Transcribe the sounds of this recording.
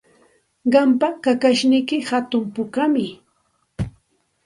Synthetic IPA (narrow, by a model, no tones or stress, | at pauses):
ɢɑmpakakaʃnɪjkɪhat̪ʊmpʊkamɪ